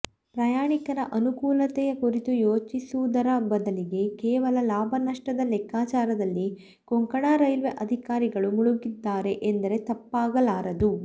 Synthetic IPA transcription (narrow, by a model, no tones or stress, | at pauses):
pɾɐjaːɳikɐɾɐʔɐnukuːlɐt̪ɛjɐkuɾit̪ujoːt͡ʃisuʋud̪ɐɾɐbɐd̪ɐliɡe̞kɛːʋɐlɐlaːbʱɐnɐʂʈɐd̪ɐlɛkːaːt͡ʃaːɾɐd̪ɐlːi | koŋkɐɽaːɾɐjlʋeʔɐd̪ʱikaːɾiɡɐɭumuɭuɡid̪ːaːɾe̞ʔend̪ɐɾe̞t̪ɐpːaːɡɐlaːɾɐd̪u